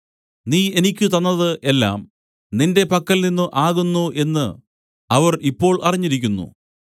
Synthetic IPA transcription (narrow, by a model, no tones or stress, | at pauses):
niːe̞nikʲːɨt̪ɐnːɐðɨʔelːa̰ːm | ninde̞pɐkːɐlninːɨʔaːɣunːuʔe̞nːɨ̰ | ɐʋɐripːo̞ːɭʔɐriɲːiɾikʲːunːṵ